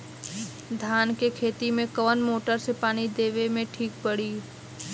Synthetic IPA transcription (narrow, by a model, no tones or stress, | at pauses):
d̪ʱaːnkekʰeːt̪imẽkəʋənmoːʈəɾsepaːɽ̃id̪eːʋemẽʈʰiːk̚pəɽiː